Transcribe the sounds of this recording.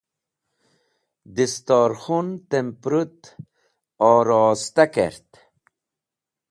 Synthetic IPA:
d̪ist̪ɑːɾxunt̪empɾut̪ | ɔːɾɔːst̪akḛɾt̪

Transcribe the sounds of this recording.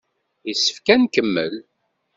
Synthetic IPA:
jisə̥fkænkəmːəl

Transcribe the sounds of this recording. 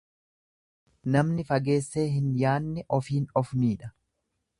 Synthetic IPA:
nɐmnɪfɐɡe̞ːsːe̞ːɦɪnjaːnːɪʔɔfiːnɔfniːᶑɐ̥

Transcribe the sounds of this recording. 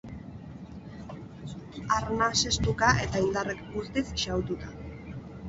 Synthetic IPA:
aɾnase̞st̪ukaʔe̞t̪aind̪arekɡust̪isʃawt̪ut̪ḁ

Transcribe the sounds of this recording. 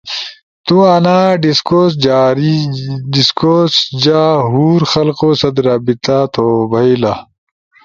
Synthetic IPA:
t̪uanaːɖiskoːs̬d͡ʑaːɾiɖiskosd͡ʑaːɦuːɾxɐlqoːsɐd̪ɾaːbit̪at̪ʰobʱɐila

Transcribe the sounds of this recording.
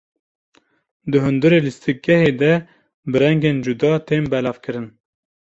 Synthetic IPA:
d̪ɨɦɨnd̪ɨɾeːlɨst̪ɨk̚ɡɛheːd̪ɛ | bɨɾɛŋɡeːnd͡ʒud̪ɑːt̪ʰeːmbɛlɑːvkʰɨɾɨn

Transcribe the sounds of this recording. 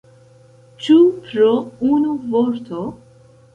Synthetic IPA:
t͡ʃupɾounuvoɾt̪ʰo

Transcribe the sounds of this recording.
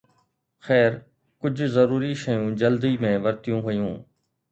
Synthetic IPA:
xɛːɾ | kʊd͡ʑʱzɐɾuːɾiʃɐjũd͡ʑɐld̪imẽːʋɐɾt̪ijũɦʊjũː

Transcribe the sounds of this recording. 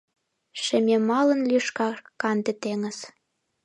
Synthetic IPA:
ʃĕmʲemɑlə̆nlyʃkɑkɑnd̪et̪eŋə̆z

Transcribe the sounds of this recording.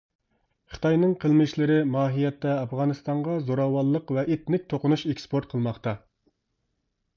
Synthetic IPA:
χə̥t̪ʰɑjnɨŋqʰəlˠmɪʃlɪɾɪmɑːɦijɛt̪ːɛɑfʁɑnɨst̪ɑɴʁɑzoɾɑwɑlˠːəqvɛʔet̪nɪk̚ʲt̪ʰoqʊnuʃekʲspoɾt̪̚qʰəlˠmɑχt̪ɑ

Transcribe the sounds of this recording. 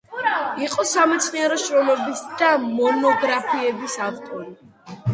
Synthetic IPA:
iqʼɔsamɛt̪sʰniɛɾɔʃɾɔlɛbisd̪̥amɔnɔɡɾapʰiɛbisaft̪ʼɔɾi

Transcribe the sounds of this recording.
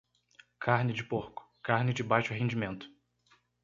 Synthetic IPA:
kʰaɾnɪd͡ʒɪpoɾkʊ̥kaɾnɪd͡ʒɪbajʃʊɦẽnd͡ʒimẽnt̪ʊ̥

